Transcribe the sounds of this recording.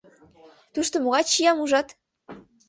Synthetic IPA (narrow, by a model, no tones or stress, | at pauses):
t̪uʃt̪omoɣɑt͡ɕijɑmuʒɑt̪